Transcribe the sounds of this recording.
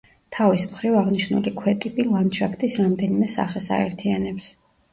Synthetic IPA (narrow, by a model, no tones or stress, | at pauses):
t̪ʰavismχɾivaʁniʃnṵlikʰwɛt̪ʼipʼilˠanʃʰakʰt̪ʼisɾamd̪ɛnimɛsa̰χɛsa̰ɛɾt̪ʰianɛps